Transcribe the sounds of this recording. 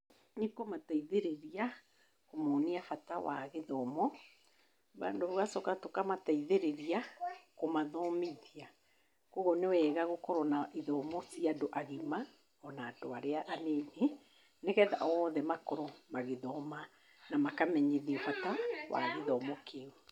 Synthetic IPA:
nekomataiðeɾeɾia | komɔniafatawa̰ɣeðɔmɔ | βa̰ndoβoɣasɔkatokamataiðeɾeɾiakomaðɔmeðia | koɣɔnewɛːɣaɣokɔɾɔnaʔiðɔmɔsiadoʔaɣima | ɔnaːdoaɾeaʔanene | neɣɛðaʔɔːðɛmakɔɾɔmaɣeðɔma | namakamɛɲeðiɛfatawa̰ɣeðɔmɔkʰeo

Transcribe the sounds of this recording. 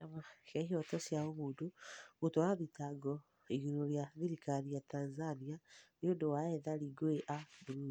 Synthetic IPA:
amakɛɦɔtɔsjaomuːdoɣotɔɾaðitaɡɔ | iɣiɾoɾjaðiɾikaɾijatanzanianiodowaɛðaɾiɡoeʔabuɾui

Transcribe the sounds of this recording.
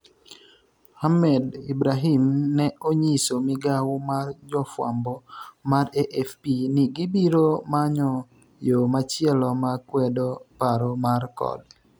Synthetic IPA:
hamɛdibɾaɦimnɛoɲisomɪɡawmard͡ʒɔfwa̰mbɔmaɾeʔɛfpinɪɡibiɾomaɲɔ | jomat͡ʃjɛlɔmakwɛdopaɾomarkɔ̰d

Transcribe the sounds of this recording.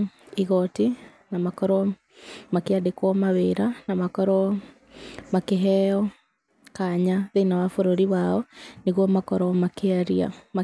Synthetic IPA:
iɣɔti | namakɔɾɔ | makeadekwɔmaweɾanamakɔɾɔ | makeɦɛɔ | kaɲaðenawafoɾoɾiwaɔneɣwɔmakɔɾɔmakeaɾia̰ma

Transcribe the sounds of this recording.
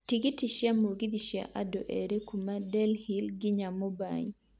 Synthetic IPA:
tiɡitiʃjamoɡid̪iʃja̰ʔadoʔeɾekumadɛlhilɡɪɲamoba̰ɲ

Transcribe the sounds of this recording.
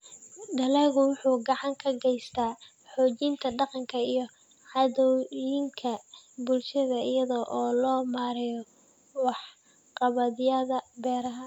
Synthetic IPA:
ɖɐlɛɣʊwʊħuːɡɑʕɑŋkʰɐɡɛjst̪ʰaː | ħɔːt͡ʃiːnt̪ʰɐɖɑqɑŋkʰɐijɞ | ʕɑðɔwjɪŋkʰɐbʊlʃɐðɐɪjɐðɔʔɔːlɔːmaːɾɪjɔ | wɑħ | qɑβɐðjɐðɐbɛːɾɐɦɐ

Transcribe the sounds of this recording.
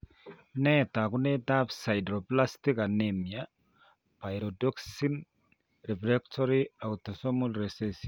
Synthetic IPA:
nɛtakunet̪apsajdɾoplastikanemia | pajɾɔdɔksin | ɾɛfɾɛktʰɔɾiawt̪ɔsɔmulɾesesi

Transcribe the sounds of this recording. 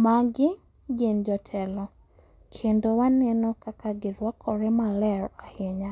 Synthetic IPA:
maɡɪ | ɡend͡ʒɔtʰɛlɔ | kʰendowanɛnɔkakaɡɪɾwakʰɔɾɛmalɛɾaheɲa

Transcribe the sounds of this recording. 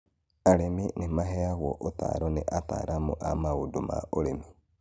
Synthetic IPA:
aɾeminimaɦeaɣo̰ʔota̰ɾoneʔata̰ɾʔamuʔamauduma̰oɾemi

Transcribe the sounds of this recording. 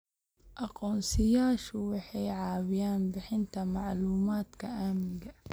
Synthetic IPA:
ʔɑqɔːnsɪjaːʃʊwɑħɛjʕɑːwɪjaːnbɪħɪnt̪ʰɐmɑʕluːmaːd̪kʰɐʔaːmɪɡɐ

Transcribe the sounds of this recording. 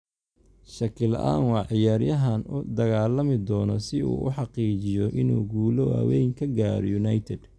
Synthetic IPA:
ʃɐkʰɪlɐ̰ʔa̰ːnwɑʕɪjaːɾjɐɦɐnʊd̪ɐɣaːlɐmɪd̪ɔːnɔsɪṵːʔʊ̰ħɑqiːt͡ʃɪjɔʔɪnuːɡuːlɔɐ̰wɛjŋkʰɐɡaːɾɔ̰jʊnɐjt̪ʰɛd̪̥

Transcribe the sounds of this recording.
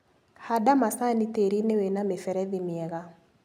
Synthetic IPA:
hadamasaniteɾinewenamefɛɾɛðimɪɛɣa

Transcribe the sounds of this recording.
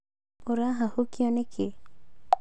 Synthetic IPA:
oɾaɦahukiɔnekʰe

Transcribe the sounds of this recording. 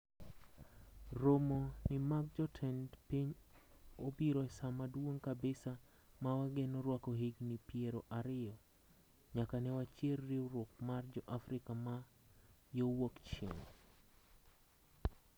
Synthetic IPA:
romonɪmak̚d͡ʒɔtʰɛndpiɲ | obiɾɔɛsamadwoŋkabesa | mawaɡenɔɾwakɔɦiɡnipieɾoʔaɾɪjɔ | ɲakanɛwat͡ʃjerːiuɾʊk̚mard͡ʒɔʔafɾɪkama | jowokt͡ʃḛŋ

